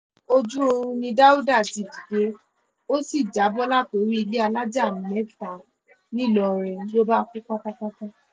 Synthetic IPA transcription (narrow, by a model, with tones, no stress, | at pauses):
o˦d͡ʒu˦o˧ɾũ˧nĩ˧da˦u˦da˦˨ti˨di˨ɡe˦ | o˦si˦˨d͡ʒa˨˦bɔ˦la˦˨to˨˦ɾi˦i˧le˦a˧la˦d͡ʒa˦˨mɛ˨˦˨fa˨ | nĩ˦˨lɔ˨ɾɛ˨˦lo˦ba˦kũ˦k͡pa˦ka˦ka˦ka˦